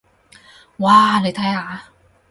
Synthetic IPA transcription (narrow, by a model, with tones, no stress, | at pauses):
waː˧˩lɤː˧jt̪ʰa˧˥˩aː˨˩˦